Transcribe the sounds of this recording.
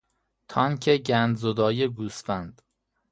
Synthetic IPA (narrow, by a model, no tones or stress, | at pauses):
t̪ʰɒːŋcʰeɟænd̪zod̪ɒːjeɡuːsfænd̪̥